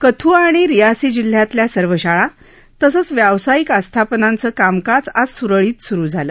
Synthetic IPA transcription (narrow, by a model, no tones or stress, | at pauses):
kət̪ʰuːaɽ̃iɾijasiːd͡ʑil̤ːjat̪ljasəɾʋəɕaɭa | t̪əsəːt͡sʋjaʋsajikast̪ʰapnãnt͡səːkamkat͡sad͡zsuɾəɭiːt̪suɾuːd͡zʱaləː